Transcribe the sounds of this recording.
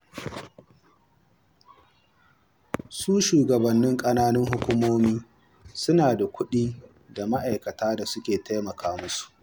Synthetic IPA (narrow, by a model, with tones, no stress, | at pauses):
suː˦ʃuː˨ɡɐ˨bɐ˨nːɪ˦ŋkʼɐ˦naː˦nɪ˦ŋɦʊ˦kʷʊ˦moː˦miː˦ | sʊ˦naː˨da˨kʷʊ˦ɗiː˦ | da˨ma˦ʔa˨jkɐ˨taː˦da˨sʊ˦kʲeː˨tʰa˦jmɐ˨kʰaː˦mʊ˦su̥˨ʔ